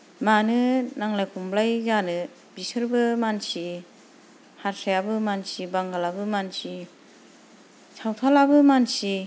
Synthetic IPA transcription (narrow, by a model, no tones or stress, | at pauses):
manɯnaŋlajkʰumblajzanɯ | bisɯɾbɯmansi | haɾsajabɯmansibaŋɡalabɯmansi | sʰawt̪ʰalabɯmansi